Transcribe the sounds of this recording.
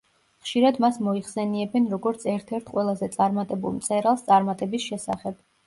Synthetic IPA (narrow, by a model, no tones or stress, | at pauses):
χʃiɾad̪masmɔiχsɛniɛbɛnɾɔɡɔɾt̪sʰɛɾt̪ʰɛɾt̪ʰqʼwɛlˠazɛt̪sʼaɾmat̪ʼɛbṵlˠmt̪sʼɛɾalˠst̪sʼaɾmat̪ʼɛbisʃɛsa̰χɛb̥̚